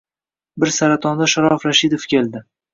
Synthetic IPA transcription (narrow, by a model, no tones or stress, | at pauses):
bɪɾsaɾat̪ʰɒnd̪aʃaɾɒfɾaʃid̪ofkʲe̞lˠd̪ɪ